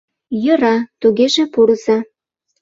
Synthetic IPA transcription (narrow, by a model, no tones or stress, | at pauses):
jə̆ɾɑt̪uɣeʒepuɾzɑ